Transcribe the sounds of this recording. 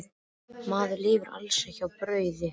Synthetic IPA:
maːðʏliːvʏɾa̰lsɛçawpɾœːɥðɪ

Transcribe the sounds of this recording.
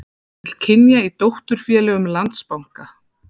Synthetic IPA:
ɪl̥cʰɪnjait̪owht̪ʏɾ̥fjɛːlɛɣʏmlant̪spawŋ̥ka

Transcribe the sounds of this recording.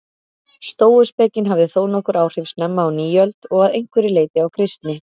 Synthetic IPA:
st̪oːwʏspɛːcɪnɦavðɪθoːwnɔhkʏɾʔaːwr̥ɪfsnɛmːaːwniːœlt̪ɔɣaðejŋkvʏɾɪleːjt̪ɪawkʰɾɪst̪nɪ

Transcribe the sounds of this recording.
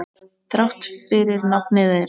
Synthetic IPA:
θɾawht̪fɪɾɪɾnap̚nɪðɪ

